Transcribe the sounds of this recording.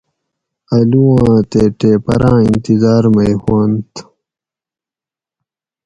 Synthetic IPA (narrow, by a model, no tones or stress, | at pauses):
ɐluwãːt̪eːʈeːpɐ̰ɾãːint̪izaːɾmɐjxaːnt̪